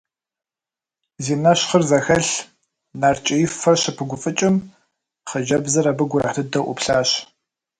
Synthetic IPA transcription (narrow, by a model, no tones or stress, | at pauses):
ziːnɐɕχərzɐxɐɬ | naːrt͡ʃʼɪjɪfɐrɕɪpʰɨɡʷʊfʼɨt͡ʃʼɪm | χɐʒɐbzɐɾɐbɨɡʷʊɾa̰ħtɨdɐʔʷʊ̰pɬaːɕ